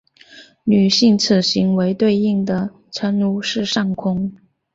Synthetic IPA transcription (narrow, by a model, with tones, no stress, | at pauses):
ny˨˩ɕi˥˩ŋt͡sʰɹ̩˨˩ɕi˧˥ŋwe˧˥ɪt̪we˥˧ɪi˥˩ŋd̪ə˩ | ʈ͡ʂʰə˧˥nu˧˥ʂɻ̩˥˧ʂɑ˥˩ŋkʰʊ˥ŋ